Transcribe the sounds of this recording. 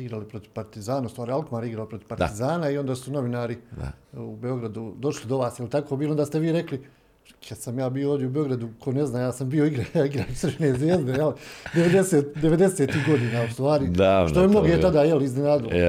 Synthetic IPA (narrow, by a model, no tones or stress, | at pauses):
iɡɾalipɾo̞t̪i̥paɾt̪izaːnaust̪ʋaːɾialkmaːɾiɡɾaopɾo̞t̪i̥paɾt̪izaːnaio̞nd̪aːsuno̞ʋinaːɾḭubeo̞ɡɾad̪ud̪o̞ʃlid̪o̞ʋaːsjelit̪akobiːlond̪aːst̪e̞ʋiːɾe̞kli | kʰad̪samjaːbiooːd̪jeubeo̞ɡɾad̪ukʰo̞ne̞znaːjaːsambioiɡɾaaiɡɾaːnsrpneːzʋjeːzd̪ejelid̪eʋed̪e̞seːt̪d̪eʋe̞d̪eseːt̪iɦɡo̞d̪iːnaust̪ʋaːɾid̪aːʃt̪oemno̞ɡet̪ad̪aːjeliiznenaːd̪ilo